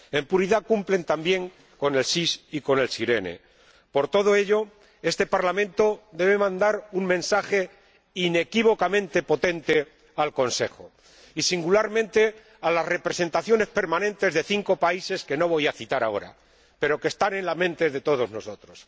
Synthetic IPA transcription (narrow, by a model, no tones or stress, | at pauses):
e̞mpuɾiðakumple̞nt̪ambje̞ŋ | ko̞ne̞lsisiko̞ne̞lsiɾe̞ne̞̰ | po̞ɾt̪o̞ðo̞e̞ʎo̞ | e̞st̪e̞paɾlamẽnt̪o̞ðe̞β̞emãnd̪aɾuŋmẽ̞nsaxe̞ | ine̞kiβo̞kamẽnt̪e̞po̞t̪ẽ̞nt̪e̞ | alko̞nse̞xo | isiŋɡulaɾmẽnt̪e̞ | alazre̞pɾe̞se̞nt̪aθjo̞ne̞spe̞ɾmãnẽ̞nt̪e̞zðe̞θiŋko̞paise̞ske̞no̞β̞o̞jaθit̪aɾa̰o̞̰ɾa̰ | pe̞ɾo̞kest̪anẽ̞nlamẽ̞nt̪e̞ðe̞t̪o̞ð̞o̞zno̞so̞t̪ɾo̞s